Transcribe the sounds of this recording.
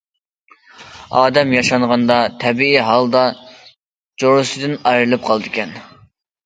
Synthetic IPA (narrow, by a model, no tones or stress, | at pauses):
ɑːd̪ɛmjɑʃɑɴʁɑnd̪ɑt̪ʰɛbiiɦɑlˠd̪ɑ | d͡ʒoɾɨsɨd̪ɨnɑjɾɨlˠɨp̚qʰɑlˠd̪ɨkʲɛn